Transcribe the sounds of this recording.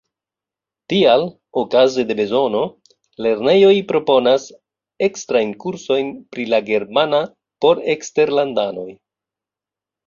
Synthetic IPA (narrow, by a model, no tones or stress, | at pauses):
tial | okaze̞de̞be̞zo̞no̞ | le̞ɾne̞jo̞jpɾo̞po̞nas | e̞kstɾajnkuɾso̞jnpɾilaɡe̞ɾmana | po̞ɾe̞kste̞ɾlandano̞j